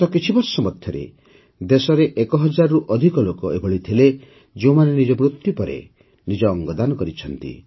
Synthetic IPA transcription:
t̪ɔkit͡ʃʰibɔɾsɔmɔt̪ʰːjɔɾḛ | d̪esɔɾeʔekɔɦɔd͡ʒaɾɔɾuʔɔd̪ʱikɔlokɔebʱɔɭit̪ʰile | d͡ʒeumanenid͡ʒɔmɾut̪jupɔɾḛ | nid͡ʒɔːŋɡɔd̪anɔkɔɾit͡ʃʰɔnt̪ḭ

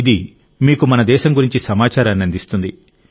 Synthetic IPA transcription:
id̪i | miːkumɐnɐd̪ɛːʃɐmɡuɾiɲt͡ʃisɐmaːt͡ʃaːɾɐnːɐnd̪ist̪und̪i

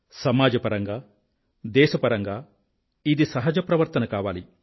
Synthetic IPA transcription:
sɐmaːd͡ʒɐpɐɾɐŋɡaː | d̪ɛːʃɐpɐɾɐŋɡaː | id̪isɐɦɐd͡ʒɐpɾɐʋɐɾt̪ɐnɐkaːʋaːli

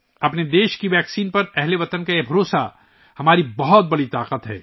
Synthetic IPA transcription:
ɐpned̪eːʃkiʋɛːksiːnpɐɾɛɦleʋɐt̪ənkaebʱɐɾoːsa̰ | hɐmaːɾibɐɦɔt̪̚bɐɽit̪aːqət̪ɦɛ̰ː

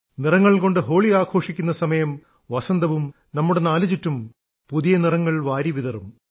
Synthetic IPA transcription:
nirɐŋːɐɭko̞ɳɖɨɦo̞ːɭiaːkʰo̞ːʂikʲːunːɐsɐmɐjɐm | ʋɐsɐnd̪ɐʋum | nɐmːuɽenaːlɐt͡ɕitːum | puðijɐnirɐŋːɐɭʋaːɾiʋiðɐrum

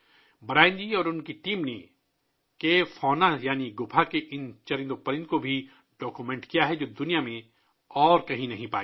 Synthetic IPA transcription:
bɐɾaːɪ̃nd͡ʒiɔːɾʊnkiʈiːmne | kefɔːnajaːniɡʊpʰakeʔɪnt͡ʃɐɾɪ̃nd̪opɐɾɪ̃nd̪kobʱi | ɖɔːkumɛ̃ːɳʈkijaɦɛd͡ʒoːd̪ʊnijamẽ | ɔːɾkɐɦĩnɐɦĩpa̰ːi

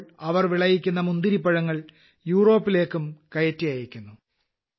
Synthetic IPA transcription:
ɐʋɐrʋiɭɐjikʲːunːɐmund̪iɾipːɐɻɐŋːɐɭ | juːro̞ːpːile̞ːkːumkɐjɐtːijaːjiɾikʲːunːu

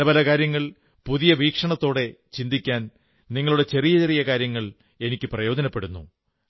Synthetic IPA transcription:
ɐbɐlɐkaːɾjɐŋːɐɭ | puðijɐʋiːkʂɐɳɐt̪ːo̞ːɽe̞t͡ɕind̪ikʲːaːn | niŋːɐɭuɽe̞t͡ɕe̞rijɐt͡ɕe̞rijɐkaːɾjɐŋːɐɭ | e̞nikʲːɨprɐjo̞ːdɐnɐpːe̞ɽunːṵ

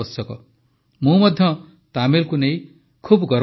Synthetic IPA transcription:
ʌsʌkʌ̰ | mũmʌd̪ʱjʌ | t̪amelkunej | kʰubɡʌɾ

